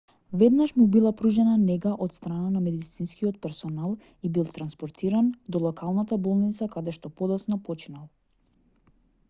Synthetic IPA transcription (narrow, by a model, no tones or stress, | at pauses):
vɛd̪naʃmubilˠapɾuʒɛnanɛɡaʔɔt̪st̪ɾananamɛd̪d̪it̪sinskiɔt̪̚pɛɾsɔnalˠ | ibilˠt̪ɾanspɔɾt̪ʰiɾand̪ɔlˠɔkʰalˠnat̪abɔlˠnit̪sakad̪ɛʃt̪ɔpɔd̪ɔsnapɔt͡ʃinalˠ